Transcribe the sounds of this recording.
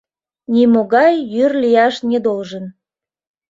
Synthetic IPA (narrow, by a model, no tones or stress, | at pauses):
nimoɣɑjːyrlijɑʃned̪olʒən